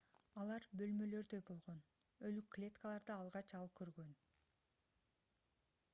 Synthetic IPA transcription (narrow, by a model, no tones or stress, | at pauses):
ɑlˠɑɾbø̞lmø̞lø̞ɾd̪øjbo̞lˠʁo̞n | ø̞lykʰːlʲe̞t̪kalˠɑɾd̪ɯɑlˠʁɑt͡ʃɑlˠɯp̚kʰø̞ɾɡø̞n